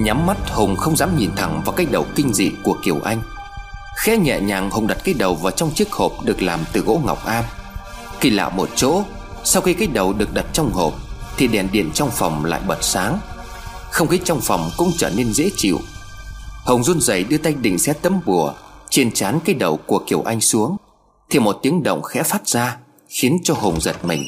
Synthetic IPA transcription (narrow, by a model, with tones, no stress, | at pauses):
ɲa˨˦mːa˦˥t̚hʊ˨˩ŋ͡mxə˧wŋ͡mzaː˨˦mɲi˨˩nt̪ʰə˧˩ŋvaː˨˩wkaː˦˥j̚ɗə˨˩wkï˧ŋ̟zḭ˧˨ku˧˩əki˨˩əwʔa˧jŋ̟ | xɛ˧˦˥ɲɛ̰˧˨ɲaː˨˩ŋhʊ˨˩ŋ͡mɗa˨˩t̚kaː˨˦jɗə˨˩wvaː˨˩wt͡ɕɔ˧wŋ͡mt͡ɕi˦˥ək̚ho˨˩p̚ɗɨ˨˩ək̚laː˨˩mt̪ɨ˨˩ɣo̰˧˥ŋa̰˨˩wk͡p̚ʔaː˧m | ki˧la̰ː˧˨wmo˨˩t̚t͡ɕo̰˧˥ | sa˧wxi˧kaː˨˦˥j̚ɗə˨˩wɗɨ˨˩ək̚ɗa˨˩t̚t͡ɕɔ˧wŋ͡mho˨˩p̚t̪ʰi˨˩ɗɛ˨˩nɗḭ˧˨ənt͡ɕɔ˧wŋ͡mfɔ˨˩wŋ͡mla̰ː˧˨jɓə˨˩t̚saː˨˦ŋ | xə˧wŋ͡mxi˨˦t͡ɕɔ˧wŋ͡mfa˨˩wŋ͡mkʊ̰˧˥ŋ͡mt͡ɕəː˧˩ne˧nzḛ˧˥t͡ɕḭ˧˨w | hə˨˩wŋ͡mzu˧nzə˨˩jɗɨ˧ət̪a˧jŋɗḭ̈˧˨ŋ̟sɛ̰˧˥t̪ə˨˧˦mɓu˧˩ət͡ɕe˧nt͡ɕaː˨˦nkaː˨˦jɗə˨˩wku˧˨˩əki˨˧˩əwʔa˧jŋ̟su˨˦əŋ | t̪ʰi˨˩mo˨˩t̚t̪i˨˦əŋɗə̰˧˨wŋ͡mxɛ̰˧˥faː˦˥t̚z̥aː˧ | xi˨˦ənt͡ɕɔ˧ɦo˨˩ŋ͡mzə˨˩t̚mï˨˩ŋ̟